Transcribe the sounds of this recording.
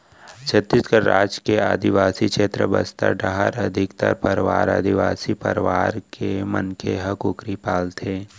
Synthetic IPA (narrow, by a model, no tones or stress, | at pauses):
t͡ʃʰɐt̪ːɪskəɾːa̰ːd͡ʒkeaːd̪iʋaːsikʃeːt̪ɾəbɐ̰st̪a̰ɖaɦəɾɐd̪ʱɪkt̪ɐ̰ɾpəɾʋa̰ːɾa̰ːd̪iʋaːsipə̰ɾʋaːɾkemɐ̰nkʰeɦɐkʊkɾipaːlt̪ʰeː